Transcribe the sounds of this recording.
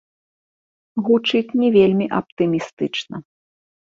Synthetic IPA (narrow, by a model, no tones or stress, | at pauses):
ɣut͡ʂɨt͡sʲnʲɛvʲelʲmʲiʔɐp̚t̪ɨmʲist̪ɨt͡ʂnɐ